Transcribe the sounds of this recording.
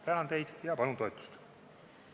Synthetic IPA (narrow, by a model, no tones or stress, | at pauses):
t̪ænɑnd̪̥e̞jd̪̥jɑpɑnunt̪o̞et̪ːˑu̥st̪